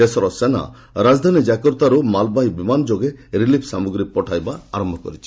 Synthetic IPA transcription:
esɔɾɔsena̰ | ɾad͡ʒd̪ʱanid͡ʒakɔɾt̪aɾumalbaɦibimand͡ʒoɡeɾilipʰsamuɡɾipɔʈʰajbaa̰ɾɔmbʱɔkɔ̰ɾit͡ʃʰi̥

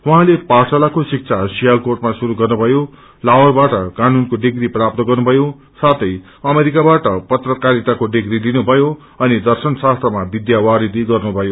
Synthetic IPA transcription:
wuɦãleparsʌlakosik̚t͡sʰasijalkorʈ̚masuɾuɡʌrnubʱʌjo | lawʌrbaʈʌkanunkoɖiɡriprap̚t̪ʌɡʌrnubʱʌjo | sat̪ʌj | ʌmeɾikabaʈʌpʌt̪rʌkaɾit̪akoɖiɡrilinubʱʌjo | ʌnid̪ʌrsʌnsast̪rʌmabid̪jawaɾid̪iɡʌrnubʱʌjo

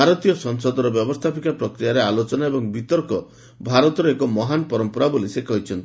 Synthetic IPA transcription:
aɾɔt̪ijɔsɔŋsɔd̪ɔɾɔbjɔbɔst̪ʰapikapɾɔkɾijaɾealot͡ʃɔnaebɔŋbit̪ɔɾkɔ | bʱaɾɔt̪ɔɾɔekɔmɔɦanɔpɔɾɔmpɔɾabolisekɔɦit͡ʃʰɔnt̪i

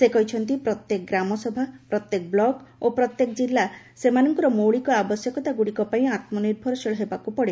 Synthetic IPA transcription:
sekɔɦit͡ʃʰɔnt̪ipɾɔt̪jek̚ɡɾamɔsɔbʱapɾɔt̪jek̚blɔɡopɾɔt̪jekd͡ʒilːa | semanɔŋkɔɾɔmowɭikɔabɔsjɔkɔt̪aɡuɽikɔpaĩat̪mɔniɾbʱɔɾɔseɭɔɦebakupɔɽe

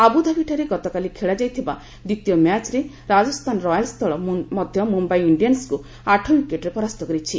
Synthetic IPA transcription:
abud̪ʱabʱiʈʰaɾeɡɔt̪ɔkalikʰeɭad͡ʒajt̪ʰiba̰ | d̪it̪ijɔmjat͡ʃɾe | ɾad͡ʒɔst̪ʰanɔɾɔjalst̪ʰɔɭɔmɔd̪ʱjɔmumbaiiɳɖijansku | aʈʰɔwikeʈɾepɔɾast̪ɔkɔɾit͡ʃʰi

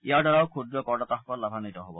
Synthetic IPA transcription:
iadaɾawkʰud̪ɾɔkɔɾɖɔt̪aɦɔkɔlabʱanit̪ɔɦobɔ

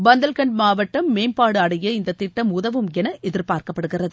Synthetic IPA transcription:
bɐnd̪ɐlkɐɳɖmaːʋɐʈːɐmːeːmpaːɽɯɐɽɐjɐɪnd̪ɐt̪ːɪʈːɐmʊðɐʋɯmɛnɐʔɛðɪɾpaːɾkɐpːɐɽɯɣɪrɐðɯ

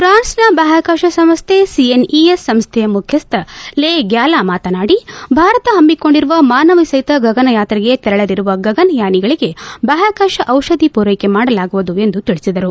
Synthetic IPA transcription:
pɾaːnsnɐbɐɦaːkaːʃɐsɐmst̪ʰesieniesːɐmst̪ʰɛjɐmukʰjɐst̪ɐleːɡjaːlaːmaːt̪ɐnaːɽibʱaːɾɐt̪ɐɦɐmːiko̞ɳɖiɾuʋɐmaːnɐʋisɐjt̪ɐɡɐɡɐnɐjaːt̪ɐɾiɡe̞t̪ɛɾɐɭɐd̪iɾuʋɐɡɐɡɐnɐjaːniɡɐɭiɡe̞bɐːɦaːkaːʃɐʔɐwʃɐd̪ʱipuːɾɐjkemaːɽɐlaːɡuʋud̪ue̞nd̪ut̪iɭisid̪ɐɾu

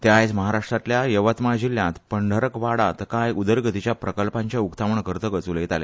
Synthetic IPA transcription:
t̪jajt͡sməɦaɾaʂʈɾat̪ljajəʋət̪mad͡ʑiljãt̪pəɳɖʱəɾəkʋaɽat̪kajʔud̪əɾɡət̪it͡ɕjapɾəkəlpãɲt͡ɕjaukt̪aʋəɳkəɾt̪əːɡət͡sulet̪alḛ

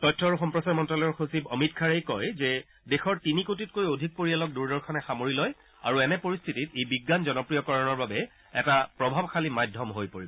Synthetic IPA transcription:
tɔtʰːɔaɹuxɔmpɹɔsaɹmɔntɹɔlɔjɔɹxosibɔmitkʰaɹejkɔjzɛ | dexɔɹtinikot̬it̚kojodʱik̚poɹialɔk̚duɹdɔɹkʰɔnɛxamoɹilɔj | a̰ɹuɛnɛpoɹist̪ʰititejbiɡːanzɔnɔpɹijɔkɔɹɔnɔɹbabɛ | ɛtapɹɔbʱabkʰalimajdʱɔmɦojpoɹibɔ

